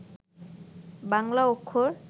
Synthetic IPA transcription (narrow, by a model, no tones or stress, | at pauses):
baŋlaokʰːoɾ